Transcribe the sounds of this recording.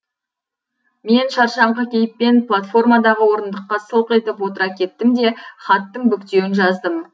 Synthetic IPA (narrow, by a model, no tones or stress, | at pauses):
me̞nʃɑɾʃɑɴʁɑkʲʰe̞jɪpːe̞nplˠat̪fo̞rmɑd̪ɑʁəwo̞ɾənd̪əqːɑsəlˠqe̞t̪ɪpwo̞t̪əɾɑkʲʰe̞t̪ːɪmd̪e̞χɑt̪ːəɴbʏkt̪e̞wɪnʒɑzd̪əm